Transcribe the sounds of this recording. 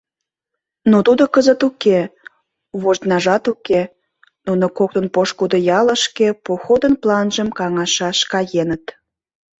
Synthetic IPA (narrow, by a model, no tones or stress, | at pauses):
not̪ud̪okəzət̪uke | βoʒt̪nɑʒɑt̪uke | nunokok̚t̪ənpoʃkud̪ojɑləʃkepoxod̪ənplɑnʒəmkɑŋɑʃɑʃkɑjenət̪